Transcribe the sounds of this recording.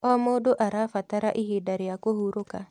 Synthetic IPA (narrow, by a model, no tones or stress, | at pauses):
ɔmodoʔaɾafataɾaʔihidaɾɪjakohuɾoka